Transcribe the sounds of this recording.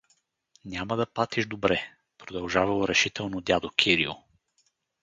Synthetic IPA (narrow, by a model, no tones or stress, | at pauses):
nʲaməd̪ɐpat̪iʒd̪obɾɛ | pɾod̪ɐlˠʒavɐlˠɾɛʃit̪ɛlˠnod̪ʲjad̪okʰiɾḭo